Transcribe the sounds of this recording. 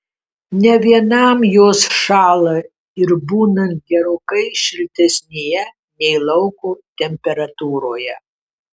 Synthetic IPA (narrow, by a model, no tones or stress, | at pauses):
nʲɛʋʲiɛnɐmjoːsʃɑːlˠɐ | ɪɾbuːnɐ̃nt̪̚ɡʲɛɾoːkɐɪʃʲɪlʲt̪ʲɛsʲnʲejɛ | nʲɛɪlˠɐʊkoːt̪ʲɛmʲpʲɛɾɐt̪uːɾoːjɛ